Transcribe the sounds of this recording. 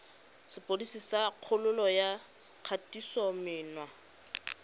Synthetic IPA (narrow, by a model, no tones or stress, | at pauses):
sɪpʼodisisaq͡χʰʊlʊlɔja | q͡χʰatʼisɔmɪːnwa